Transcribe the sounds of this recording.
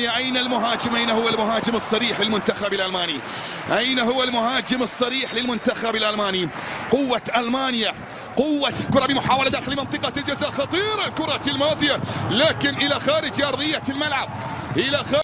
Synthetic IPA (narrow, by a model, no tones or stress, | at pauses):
jaʔajnalmʊɦaːd͡ʒɪmʔajnahʊwːalmʊɦaːd͡ʒɪmɨsˤːɑɾiːħlɪlmʊnt̪axabɪlʔalmaːni | ʔajnaɦʊwːalmʊhaːd͡ʒɪmɨsˤːɑɾiːħlɪlmʊnt̪axabɪlʔalmaːniqʊwːaʔalmaːnɪja | qʊwːakʊɾˤɑbɪmʊħaːwalad̪aːxɪlmɪnt̪ˤɨqɑld͡ʒazaːʔxɑt̪ˤiːɾɑlkʊɾˤɑlmaːðɪjalaːkɪnʔɪlaxaːɾɪd͡ʒɑɾˤðˤɨjːalmalʕab̚ | ʔɪlaxaː